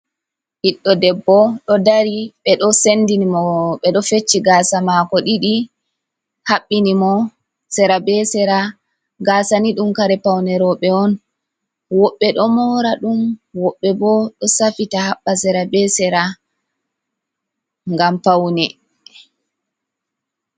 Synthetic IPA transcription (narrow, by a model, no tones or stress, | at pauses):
hiɗːɔdɛbːɔɗɔdaɾiɓɛɗɔsendinimɔɓɛɗɔfet͡ʃːiɡaːsamakɔɗiɗi | haɓːinimɔ | sɛɾabɛsɛɾa | ɡaːsaniɗumkaɾɛpawnɛɾɔɓɛɔn | wɔɓːɛɗɔmɔɾaɗumwɔɓːɛbɔɗɔsafitahaɓːasɛɾabɛsɛɾa | ŋɡampawnɛ